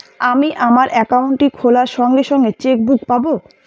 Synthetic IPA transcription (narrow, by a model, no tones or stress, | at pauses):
amiʔamaɾʔɛkawɳʈikʰolaɾʃɔŋɡeʃɔŋɡet͡ɕek̚bukpabo